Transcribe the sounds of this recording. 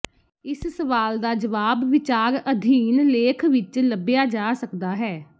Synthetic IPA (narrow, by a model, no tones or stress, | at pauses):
ɪssəʋaːld̪aːd͡ʒəʋaːbʋɪt͡ʃaːɾəd̪ʱiːnleːkʰʋɪt͡ʃləbɪjaːd͡ʒaːsəkd̪aːɦɛː